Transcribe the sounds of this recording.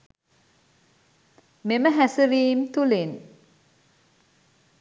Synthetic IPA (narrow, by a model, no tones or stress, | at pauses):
meməɦɛsəɾiːmt̪ulin